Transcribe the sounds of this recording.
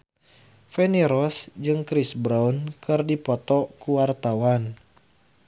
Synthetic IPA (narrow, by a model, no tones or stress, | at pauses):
fɛniɾɔsd͡ʒɨŋkɾisbɾaunkʰɨrdipɔt̪ɔkuwart̪awan